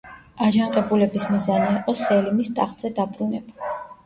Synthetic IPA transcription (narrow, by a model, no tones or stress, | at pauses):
aʒaŋqʼɛbulɛbismizaniiqʼɔsɛlimist̪ʼaχt̪ʼz̥ɛd̪abɾunɛbu